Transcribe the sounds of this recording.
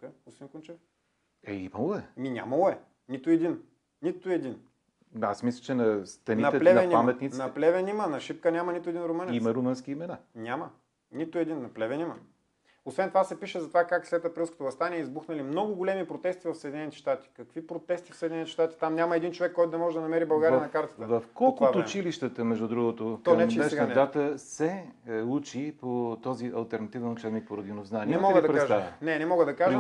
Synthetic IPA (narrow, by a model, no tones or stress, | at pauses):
usinkunt͡ʃɛf | ɛimɐlˠoɛminʲa̰mɐlˠoɛ | nit̪ʊɛd̪in | nit̪ʊɛd̪in | a̰smislʲɐt͡ʃɛnɐst̪ɾɐninɐt̪ɛplɛvnɛniamɛt̪nit̪inɐplɛvɛnimənɐʃip̚kənʲamɐnit̪ʊɛd̪inɾʊmənjimɐɾʊmənskʲiːmɛnanʲamə | nit̪ʊɛd̪inːɐplɛvɛnimɐ | osvɛnt̪ovasɛpiʃɛzɐt̪ovakakslɛt̪ɐpɾilˠsko̥t̪ovɐst̪anʲiɛizbuxnɐlimnɔɡʊɡolɛmipɾot̪ɛst̪ivɐfsəɛd̪inɛnit̪i̥ʃt̪at̪i̥kɐkvipɾot̪ɛst̪i̥fsəd̪ʲinɛnit̪ɛ̥ʃt̪at̪i̥t̪amnʲamɐɛd̪int͡ʃovɛkːɔjt̪ʊd̪ɐmɔʒɛd̪ɐnɐmɛɾibɐlˠɡaɾijɐnɐkaɾt̪ə̥t̪əvɐfkɔlˠt̪vat̪ːt͡ʃiliʃt̪ət̪əmɛʒd̪ud̪ɾuɡot̪ot̪ɔnɛɛʃəɛd̪at̪əsɛut͡ʃipot̪ɔziʔɐlˠt̪ɛɾnɐt̪ivɛnot͡ʃɛvnik̚poɾod̪inovznaninɛmmɔɡəd̪ɐpɾɛkaaʒavɐ̰nɛnɛmɔɡəd̪ɐkaʒ